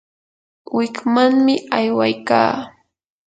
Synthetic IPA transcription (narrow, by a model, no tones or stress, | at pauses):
wɪkmaŋmɪajwajka̰ː